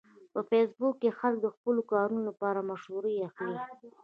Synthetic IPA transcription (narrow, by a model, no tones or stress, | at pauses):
pəfesbʊkːexalk̚d̪əxpəlokɑɾunolapɑɾamaʃhuɾəjaxli